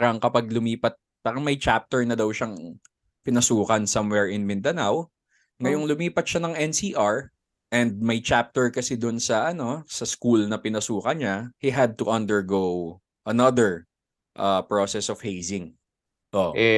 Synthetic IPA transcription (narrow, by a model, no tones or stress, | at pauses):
ɾɐŋkɐpaɡ̚lʊmiːpɐt̪̚ | pakɐmɐjt͡ʃap̚t̪ɛɹnɐd̪ɐwʃaŋ | pɪnɐsuːkɐnsɐmwɛɹɪnmɪnd̪ɐnaw | ŋɐjoŋlʊmiːpɐt̪̚ʃanɐŋʔɛnsiːʔaɹ | ʔɛnd̪̚mɐjt͡ʃap̚t̪ɛɹkɐsɛd̪ʊnsɐʔɐno̞sɐskulnɐpɪnɐsuːkɐnɲahiɦɐd̪̚t̪ʊʔɐ̃nd̪ɛɹɡow | ʔɐnɐðɛɹ | ʔapɹosɛsɔv̥hejsɪ̃ŋ | ʔoʔʔ